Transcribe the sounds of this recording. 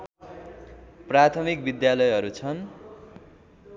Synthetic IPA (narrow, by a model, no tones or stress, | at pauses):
prat̪ʰʌmik̚bid̪jalʌjɦʌɾut͡sʰʌn